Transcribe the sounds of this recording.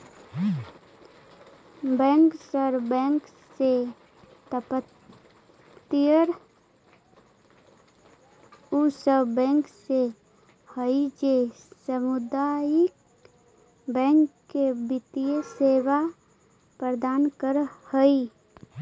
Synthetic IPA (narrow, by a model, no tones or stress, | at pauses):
bɛ̃ːŋksəɾbɛ̃ŋk | se | t̪əpət̪ | ijəɾ | usəbbɛ̃ŋkse | həid͡ʒe | səmʊd̪ajɪk | bɛ̃ŋkːebɪt̪ijəseːwa | pɾəd̪aːnkəɾhəi